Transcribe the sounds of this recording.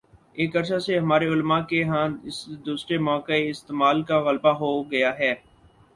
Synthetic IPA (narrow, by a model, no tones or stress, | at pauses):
eːkɐɾʃaseɦɐmaːɾeʊlmakeɦãɪsd̪uːsɾemɔ̃ːkeɪst̪eːmaːlkaɣəlbaɦoɡɐjaɦɛː